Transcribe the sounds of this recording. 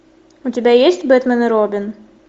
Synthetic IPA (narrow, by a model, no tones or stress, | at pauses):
ʊtʲɪbʲajesʲtʲbɛt̪mɛnɨɾobʲɪn